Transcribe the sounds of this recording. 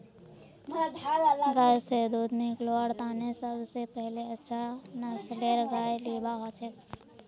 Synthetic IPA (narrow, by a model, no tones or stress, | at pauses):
mad̪ʱaːlalaɡaːjsed̪oːd̪nikloaɽt̪aːnesəbsepɛɦleɐtːʃʰanɐsɖeːɾɡaːjliːbaɦat͡ʃek